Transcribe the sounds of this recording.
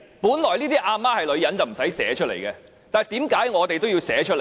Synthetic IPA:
puː˨˥nlɔː˨˩jliː˥t̪iː˥ʔaː˧maː˥hɐ˨jlɵ˨˧ɥjɐ˨˥nt͡sɐ˨wm̩˨˩sɐ˨˥jsɛː˨˥t͡ʃʰɵ˥le˨˩jkɛː˧ | t̪aː˨t̪iː˨˥mkaː˨˥jŋɔː˨˧t̪e˨jt̪o˥wji˧wsɛː˨˥t͡ʃʰɵ˥t̚le˨˩

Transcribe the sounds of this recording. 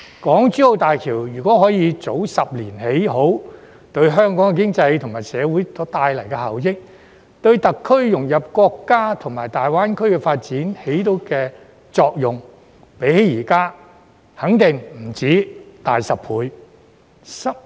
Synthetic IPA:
kɔː˨˥ŋt͡syː˨˥o˨˧wt̪aː˨jkʰiː˨˩wjyː˨˩kʷɔː˨˥ɦɔː˨˥jiː˨˧t͡so˨˥wsɐ˨p̚liː˨˩nhe˨˥jho˨˥w | t̪ɵ˧ɥɦœː˥ŋkɔː˨˥ŋɛ˧kɪ˥ŋt͡sɐ˧jt̪ʰŋmaː˨˩jsɛː˨˧wuː˨˥jt͡sɔː˨˥t̪aː˧jlɐ˨˩jkɛ˧hɐ̰˨˩wjɪ˥k̚ | t̪ɵ˧ɥt̪ɐ˨kʰːɵ˥ɥjʊ˨˩ŋjɐ˨p̚kɔː˧kːaː˥t̪ʰʊ˨˩ŋmaː˨˩jt̪aː˨jwaː˥nkʰɵ˥ɥkɛ˧faː˧t̚t͡siː˨˥nhe˨˥jt̪o˨˧˥wkɛː˧ | t͡sɔː˧k̚jʊ˨˩ŋ | pe˨˥jhe˨˥jjiː˨˩kaː˥ | hɐ˨˥ŋt̪ɪ˨ŋm̩˨˩t͡siː˨˥t̪aː˨jsɐ˨pʰuː˨˧j | sɐ˥

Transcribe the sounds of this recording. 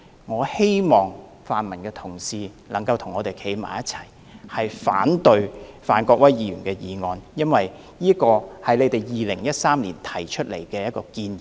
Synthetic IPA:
ŋɔː˨˧he˥jmɔː˨ŋ | faː˨nmɐ˨˩nkɛː˧t̪ʰʊ˨˩ŋsiː˨˧ | lɐ˨˩ŋkɐ˧wt̪ʰʊ˨˩ŋɔː˨˧t̪e˨jkʰe˨˥jma̰ː˨˩jɐ˦˥t̚t͡sʰɐ˨˩j | hɐ˨jfa̰ː˨˥nt̪ɵ˨˧ɥfaː˨˩nkɔː˧k̚wɐ˥jjiː˨˧ɥyː˨˩nkɛː˧jiː˨˧ŋɔː˧njɐ˥nwɐ˨j | niː˥kɔː˧hɐ˨˩jle˨˧jt̪e˨˩jjiː˨lɪ˨˩ŋjɐ˥t̚saː˥mliː˨˩nt̪ʰɐ˨˩jt͡ʃʰɵ˥t̚lḛ˨˩jkɛː˧jɐ˥t̚kɔː˧kiː˧ni˨

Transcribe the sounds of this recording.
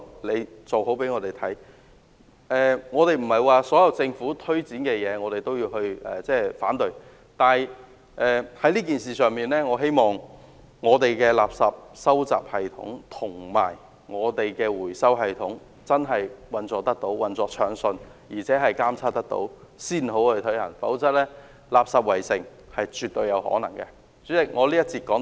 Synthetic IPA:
le˨˧jt͡so˨who˨˥wpe˨˥jŋɔː˧t̪e˨˩jt̪ʰɐ˨˥j | ɛː˨ŋɔː˨˧t̪e˨jm̩˨˩hɐ˨jwaː˨sɔː˨˥jɐ˨˧wt͡sɪ˧ŋfuː˨˥t̪ʰɵ˥ɥt͡siː˨˥nkɛː˧jɛː˨˧ŋɔː˨˧t̪e˨jt̪o˥wjiː˧wɦɵ˧ɥʔɛ̰ː˨˩t͡sɛː˥˩faː˨˥nt̪ɵ˨˧ɥ | t̪aː˨˩j | ʔɛː˨hɐ˨˥jliː˥k̬iː˨nsiː˨sœː˨ŋmiː˨nlɛː˥ŋɔː˨˧ɦe˥jmɔː˨ŋ | ŋɔː˨˧t̪e˨jkɛː˧laː˨p̚sɐ˨p̚sɐ˥wt͡sa̰ː˨p̚hɐ˨jt̪ʰʊ̰˨˥ŋt̪ʰʊ˨˩ŋma̰ː˨˩j | ŋɔː˨˧t̪e˨jkɛː˧wuː˨˩jsɐ˥wɦɐ˨jt̪ʰʊ˨˥ŋ | t͡sɐ˥nɦɐ˨jwɐ˨nt͡sɔː˨˧t̪ɐ˥k̚t̪o˨˥wwɐ˨nt͡sɔː˨˧t͡ʃʰœː˨˧˥ŋsɵ˧njiː˨˩t͡sʰɛː˨˥ɦɐ˨jkaː˥mt͡sʰaː˥t̪ɐ˥k̚t̪o̰˨˥wsiː˥nho˨˥whɵ˧ɥt̪ʰɵ˨˥hɐ̰˨˩ŋfɐ̰˨˥wt͡sɐ˥t̚lɛː˥ | laː˨psɐ˨p̚wɐ˨˩jsɪ˨˩ŋ | hɐ˨jt͡ʃyː˨t̚t̪ːɵ˧ɥjɐ˨˧whɔ̰ː˨˥nɐ˨˩ŋkɛ̰˧ | t͡sy˨˥t͡sɪ˨ŋɔː˨˧liː˥jɐ˥t̚t͡siː˧t̚kɔː˨˥ŋ

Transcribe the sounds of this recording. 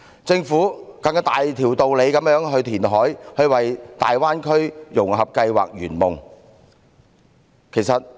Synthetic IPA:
t͡sɪ˧ŋfuː˨˥kɐ˧ŋ˥t̪aː˨jt̪ʰiː˨˩wt̪o˨wle˨˧jkɐ˨˥mjœː˨˥ŋɦɵ˧ɥt̪ʰiː˨˩nɦɔː˨˥jhɵ˧ɥwɐ˨jt̪a̰ː˨jwaː˥nkʰɵ˥ɥjʊ˨˩ŋɦɐ˨p̚kɐ˧jwa̰ː˨k̚ɥyː˨˩nmʊ˨˩ŋ | kʰe˨˩jsɐ˨t̚

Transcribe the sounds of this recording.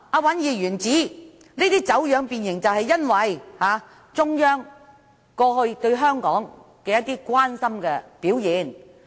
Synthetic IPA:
aː˧wɐ˨˥njiː˨˧ɥyː˨˩nt͡siː˨˥ | neiː˥t̪iː˥t͡sɐ˨˥wjœː˨˧ŋpiː˨njɪ˨˩ŋt͡sɐ˨whɐ˨jjɐ˥nwɐ˨jhaː˨˧ | t͡sʊ˥ŋjœː˥ŋ | kɔː˧ɦɵ˧ɥt̪ɵ˧ɥɦœː˥ŋkɔː˨˥ŋ | kɛː˧jɐ˥t̪ːiː˥kwaː˥nsɐ˥mkɛː˧piː˨˥wjiː˨˥n

